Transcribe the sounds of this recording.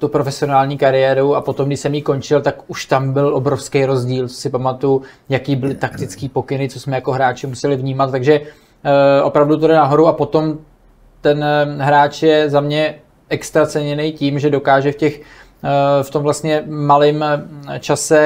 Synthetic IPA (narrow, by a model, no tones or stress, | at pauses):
t̪upɾo̞fɛsɪonaːlɲiːkaɾɪjɛːɾuapo̞t̪o̞mɡdɪʃsɛmjiːko̞nt͡ʃɪlt̪akuʃt̪ambɪlʔo̞bɾo̞fskejɾo̞zɟiːlt͡so̥sɪpamat̪ujujakiːbɪlɪt̪akt̪ɪt͡skiːpo̞kɪnɪt͡so̞smɛjako̞ɦɾaːt͡ʃɪmusɛlɪvɲiːmat̪t̪aɡʒɛ | ʔo̞̰pɾavdut̪odɛnaɦo̞ɾuapo̞t̪o̞m | t̪ɛnɦɾaːt͡ʃjɛzamɲɛ | ɛkst̪ɾat͡sɛɲɛnɛjciːmʒɛdo̞kaːʒɛfcɛx | ft̪o̞mvlast̪ɲɛmalɪmt͡ʃasɛ